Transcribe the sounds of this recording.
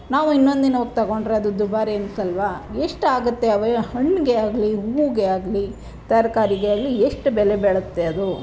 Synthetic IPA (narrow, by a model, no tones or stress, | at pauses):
naːʋuinːo̞nd̪inɐoːɡ̚t̪ɐɡoɳɖɾeɐd̪ud̪ubaːɾeensɐlʋaeʂʈaːɡut̪ːeɐʋɐhɐɳːɡe̞aːɡliɦuɡɡeaːɡli | t̪ɐjɾɐkaːɾiɡeaːɡlieʂʈbɛlebeɭɐt̪ːe̞ɐd̪u